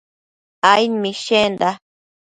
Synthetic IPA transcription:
ajmĩʃẽnd̪a

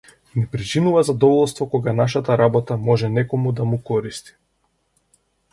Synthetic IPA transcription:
nɛpɾit͡ʃinuvazad̪ɔvɔlˠst̪vɔkɔɡanaʃat̪aɾabɔt̪amɔʒɛnɛkɔmud̪amukɔɾist̪i̥

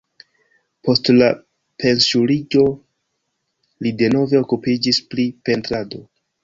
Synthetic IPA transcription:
pʰo̞stla | pʰe̞nsuɾid͡ʒo̞ | lide̞no̞ve̞o̞kupid͡ʒisplipe̞ntɾado̞

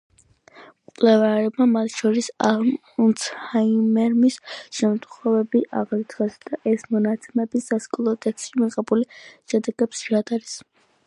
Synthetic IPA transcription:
kʼlɛvaɾɛb̚mamat̪ʰʃɔɾisalm | unshaimɛɾmisʃɛmt̪ʼχɔvɛbiʔaʁɾit̪ʰχɛsd̪̥aʔɛsmɔnat̪sʰɛmɛbisːaskʼulˠɔt̪ʼɛkst̪ʃimiqʼɛbuliʃɛd̪ɛɡɛpsʃiɾad̪aɾis

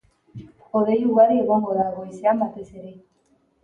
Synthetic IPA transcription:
xoðejuɣaɾieɣoŋɡoðaɣojseambat̪e̞se̞ɾe̞

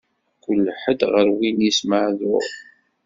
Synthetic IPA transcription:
kʷːəlːħəd̪ʁəɾwinisməʕðʊ̰ʁ

